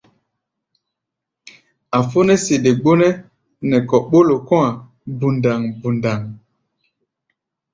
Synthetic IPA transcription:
a˨fo˦nɛ˦se˨de˨ɡ͡bo˦nɛ˦ | nɛ˨kɔ˨ɓo˦lo˨kɔ̃˦a˨ | bu˨nda˨ŋbu˨nda˨ŋ

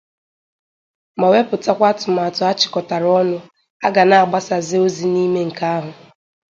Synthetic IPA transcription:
ma˨we˦pʊ˨ta˦kʷa˦tʊ˨m˨a˨tʊ˨a˦t͡ʃɪ̥˨kɔ˨ta˨ɾɔ˦nʊ˦ | a˦ɡa˨na˨a˨ɡ͡ba˦sa˨zɪ˦o˦zi˨ni˦me˦ŋ̩˨ka˦a˦ɦʊ˨

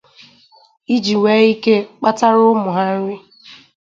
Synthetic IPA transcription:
i˦d͡ʒi˨wʷe˨˦i˦ke˦k͡pa˦ta˦ɾʊ˦mʊ˨ɦa˦ɾɪ˦

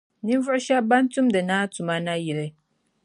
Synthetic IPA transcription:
nĩ˦m˦vʊ˦ɕa˦ba˦n̩˦tʰũ˦mdɨ˨nãː˦tʰu˨mã˦nã˦ji˨ɾe˨

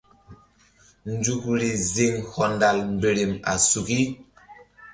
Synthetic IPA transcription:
n˦d͡ʒu˦˨kɾi˨zi˦ŋhɔ˨nda˨lmbe˨ɾi˨ma̰˨su˨ki˦

